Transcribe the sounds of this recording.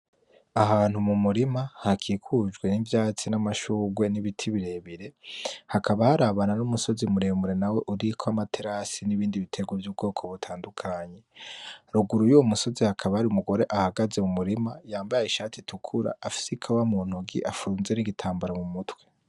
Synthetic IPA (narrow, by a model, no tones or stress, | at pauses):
ahaːn̥humumuɾimahakʰikʰud͡ʒɡwe̞nivjaːt͡sinamaʃuːɡwe̞niβitʰiβiɾe̞βiɾe̞hakʰaβahaɾaβananumuso̞zimuɾeːmuɾe̞nawe̞ʔuɾikʰoamatʰeɾasiniβiːndiβitʰe̞ɡwevjuːbɡo̞ːkʰo̞βutʰaːndukʰaɲe̞ɾuɡuɾujuwomuso̞zihakʰaβahaɾiumuɡo̞ɾe̞ʔahaɡaze̞mumuɾimajaːmbajiʃaːtʰitukʰuɾa̰ːfi̥sikʰawamuːn̥huɡḭʔafuːnzeniɡitʰaːmbaɾamumutwe̞̥